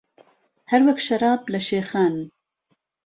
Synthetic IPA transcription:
haɾwaxʃɐɾɑːblaʃeːxaːn

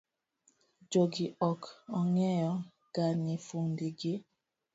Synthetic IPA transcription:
d͡ʒoɡiʔɔkɔŋɛjɔ | ɡ̥anifuŋdiɡe

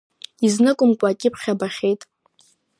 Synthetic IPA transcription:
iznɨkʷʼʊmkʷʼaːkʲʼɪpʰχʲabaχʲejtʼ

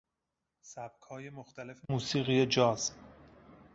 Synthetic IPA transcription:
sæb̥̚kʰɒːjemoxt̪ʰæle̞fmuːsiːɣijed͡ʒɒːz

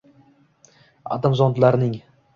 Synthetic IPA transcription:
a̰d̪amzɒnd̪laɾnɪŋ

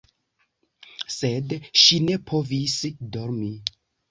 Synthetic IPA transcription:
se̞dʃine̞pʰo̞visdo̞ɾmi

